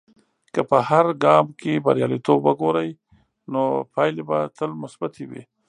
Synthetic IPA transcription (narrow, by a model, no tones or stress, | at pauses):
kəpəhaɾɡɑmkeba̰ɾjɑ̰lit̪obwəɡoɾəj | nopʰɑjlebat̪ʰəlmʊsbat̪ʰewḭ